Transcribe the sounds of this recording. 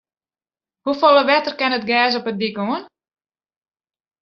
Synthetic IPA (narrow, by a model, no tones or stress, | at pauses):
hufolˠəʋɛtərkɛnətɡɛːs̬ɔpət̚dikoən